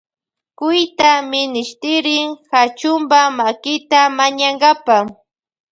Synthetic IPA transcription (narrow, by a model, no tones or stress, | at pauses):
kʊjt̪amɪnɪʃt̪ɪɾɪŋhat͡ʃʊmbamakɪt̪amaɲaŋɡapa